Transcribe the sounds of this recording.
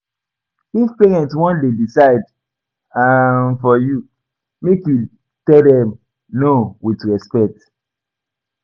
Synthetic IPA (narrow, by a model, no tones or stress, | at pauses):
hizpɛɹɛ̃ntswɔ̃ndedisaɪd | anfɔju | mekju | tɛldɛm | nowitɹɛspɛk̚t